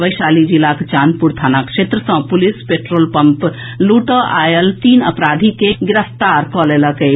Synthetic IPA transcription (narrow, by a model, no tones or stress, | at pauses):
ʋəjʃalid͡ʒilakt͡ʃaːnpuɾt̪ʰaːnakʃeːt̪ɾəsə̃pulispeʈɾoːlpəmp | luʈəʔajəlt̪iːnə̰pɾaːd̪ʱikeɡɪɾəft̪aɾkɔleləke